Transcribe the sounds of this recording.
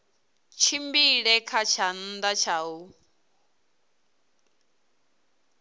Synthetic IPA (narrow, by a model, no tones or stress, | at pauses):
t͡ʃʰimbiɺɛkʰat͡ʃʰan̩d̪at͡ʃʰaːɦu